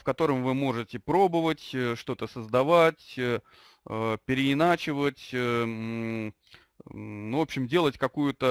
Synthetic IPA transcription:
fkɐt̪o̞ɾəmvɨmo̞ʐɨtʲɪpɾo̞bəvətʲʂt̪o̞t̪əsəzd̪ɐvatʲ | əpʲɪɾʲɪɪnat͡ɕɪvətʲ | nuvo̞pɕːɪmdʲe̞lˠətʲkɐkujʊt̪ə

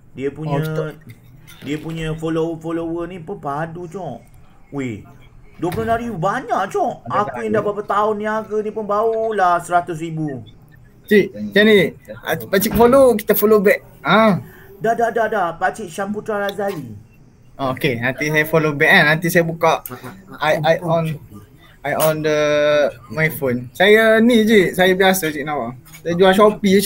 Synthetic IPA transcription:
diəpuɲə̃ | diəpuɲəfolofolowənĩpunpadut͡ʃɔʔ | we | duəplonaɾiubaɲaʔt͡ʃɔʔakkujaŋdahbapat̪aʊnːĩaɡənĩpʊnbaulahsəɾat̪ʊs̬ɾibu | t͡ʃiʔt͡ʃania̰pat͡ʃik̚folok̬i̥t̪afolobɛʔ̚ | ã | dadadadapat͡ʃiʔʃamput̪ɾaɾazali | ookenãnt̪isajəfolobɛk̚anãnt̪isajəbukaʔajajɔn | ajɔndə | majfonsajanid͡ʒisajabiasaat͡ʃiʔnãpasajd͡ʒuaʃɔpi

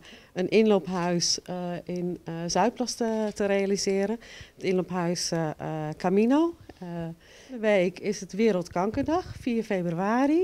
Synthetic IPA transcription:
ənʔɪnlopɦœɥsɪnzœɥt̚plɔstətəɾejalizɪəɾənətɪnlophœɥs | kʰaminoː | əʋeːkʰɪsətʋɪəɾəlˠtkɔŋkədɑxfiːərfeːbryaːɾi

